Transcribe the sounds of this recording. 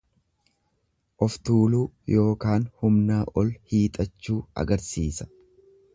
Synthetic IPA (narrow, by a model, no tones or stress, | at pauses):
ʔɔft̪uːluː | jo̞ːkaːnhʊmnaːʔɔlhiːt̪ʼɐt͡ʃːuːɐ̰ɡɐɾsiːsɐ̥